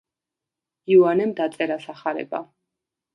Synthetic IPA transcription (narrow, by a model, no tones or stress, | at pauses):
iuanɛmd̪at̪sʼɛɾasaχaɾɛ̰ba̰